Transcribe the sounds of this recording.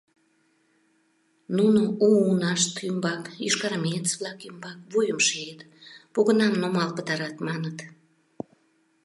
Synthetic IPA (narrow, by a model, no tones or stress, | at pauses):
nunouːnɑʃt̪ymbɑkiʃkɑɾmʲet͡sβlɑkymbɑkβujəmʃeet̪ | poɣənɑmnomɑlpət̪ɑɾɑt̪mɑnət̪